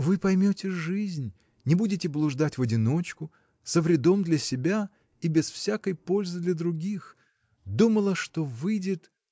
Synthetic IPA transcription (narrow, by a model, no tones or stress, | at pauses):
vɨpɐjmʲotʲɪʐɨzʲnʲ | nʲɪbudʲɪtʲɪblˠʊʐd̪atʲvədʲɪno̞t͡ɕkʊ | səvɾʲɪd̪o̞md̪lʲɐsʲɪbʲa | ibʲɪsfsʲakəjpo̞lʲzɨd̪lʲɐd̪ɾʊɡʲix | d̪uməlˠəʂt̪o̞vɨjdʲɪt̪